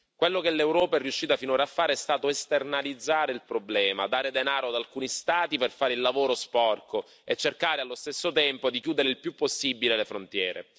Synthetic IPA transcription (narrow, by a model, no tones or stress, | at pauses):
kwelːokelːewɾɔːpaɛrːiuʃːiːt̪afinoːɾaːfːaːɾeɛst̪aːt̪oest̪ernalid̪zːaːɾeilpɾoblɛːma̰d̪aːɾed̪enaːɾoad̪alkuːnist̪aːt̪iperfaːɾeilːavoːɾospɔrko | et͡ʃːerkaːɾealːost̪esːot̪ɛmpod̪ikjuːd̪eɾeilpjupːosːibilelefɾont̪jɛːɾḛ